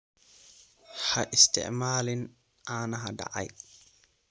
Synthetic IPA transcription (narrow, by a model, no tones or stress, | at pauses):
haʔɪst̪ɪ̰ʔmaːlɪn | ʔaːnaɦada̰ʔa̰j